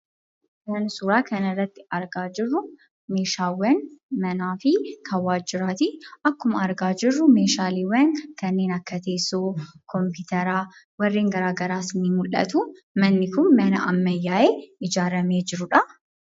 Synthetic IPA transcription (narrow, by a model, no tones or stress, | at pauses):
mɐnsuːɾaːkʰɐnɐrːɐt̪ːɪ̥ɐɾɡaːd͡ʒɪrːʊ | me̞ːʃaːwɐnmɐnaːfɪkʰɐwaːd͡ʒɪɾaːt̪ɪɐkːʊmɐɐɾɡaːd͡ʒɪrːʊme̞ːʃaːliːwɐnkɐnːe̞ːnɐkːɐt̪e̞ːsːoːkʰɔmpɪːt̪ɐɾaː | wɐrːiːŋɡɐɾaːɡɐɾaːsɪniːnmʊlːɐ̰t̪uː | mɐnːɪkʊnmːɐnɐ̰ʔɐmːɐjːaːʔeːɪd͡ʒaːɾɐme̞ːd͡ʒɪɾʊᶑɐ